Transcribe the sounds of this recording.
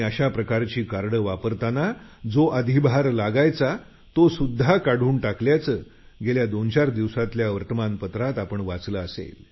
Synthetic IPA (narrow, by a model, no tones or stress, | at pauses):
əɕapɾəkaɾt͡ɕiːkaɾɽəʋapəɾt̪anad͡zoʔəd̪ʱibʱaɾlaɡajt͡sa | t̪osud̪ʱːakaɽ̤uːɳʈakljat͡səː | ɡeljad̪ont͡ɕaɾd̪iʋsat̪ljaʋəɾt̪əmanpət̪ɾat̪apəɳʋat͡sləəsḛl